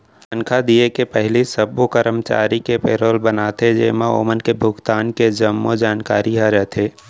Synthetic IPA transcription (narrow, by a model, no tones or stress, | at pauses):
ənkʰad̪iekepɛɦlisəbokəɾəmt͡ʃa̰ːɾikepeːɾoːlbənat̪ʰed͡ʒḛːmao̰ːmənkebʱʊɡt̪aːnked͡ʒəmːod͡ʒaːnkaːɾiɦaɾɛɦt̪ʰeː